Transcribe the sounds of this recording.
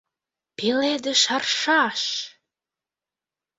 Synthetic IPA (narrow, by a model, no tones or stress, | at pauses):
peled̪ə̆ʃɑrʃɑʃ